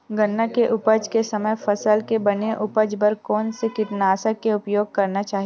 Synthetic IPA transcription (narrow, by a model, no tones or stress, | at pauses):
ɡɐnːəkeʔʊpəd͡ʒkesɐməjfɐsəlkebɐneʔʊpəd͡ʒbɐɾkɔːnsekɪt̪naːsəkeʊpjoːɡ̚kɐɾnat͡ʃaːɦie